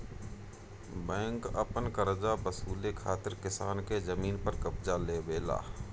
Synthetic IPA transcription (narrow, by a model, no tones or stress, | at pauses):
bɛ̃ːŋkɐ̰pənkəɾd͡ʒabəsuːlekʰaːt̪ɪɾkɪsaːnkezəmiːnpəɾkəbd͡ʒaleːbeːla̰ː